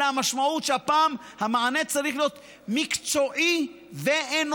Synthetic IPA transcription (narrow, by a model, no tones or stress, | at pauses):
amaʃmaut̪ʃapaːm | hamaanet͡saɾiχlot̪ | mikt͡soʔi | veen